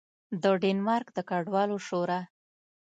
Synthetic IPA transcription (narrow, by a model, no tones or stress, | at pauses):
d̪əɖenmɑɾkd̪əkaɖwɑloʃoɾa